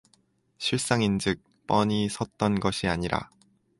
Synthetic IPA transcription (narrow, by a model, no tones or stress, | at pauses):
ɕʰiɭs͈aŋind͡ʑɯk̚ | p͈ʌɲisʰʌt̚t͈ʌnɡʌɕʰiaɲiɾa̰